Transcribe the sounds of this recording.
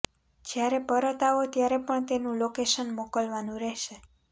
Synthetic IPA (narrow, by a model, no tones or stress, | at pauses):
d͡ʒjaɾepəɾət̪aot̪jaɾepəɳt̪enũlokeʃənmokəlʋanũɾɛʃe